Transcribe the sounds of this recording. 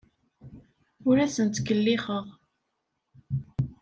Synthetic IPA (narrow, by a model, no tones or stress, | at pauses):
ʊɾæsənt̪kəlːɪχəʁ